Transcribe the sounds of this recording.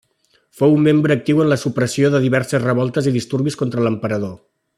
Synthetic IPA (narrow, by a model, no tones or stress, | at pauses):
fowumːembɾəːk̚t̪iwənləsupɾəsioðəðiβɛɾsəzrəβ̞ɔlˠt̪əziðist̪uɾβiskont̪ɾələmpəɾəðo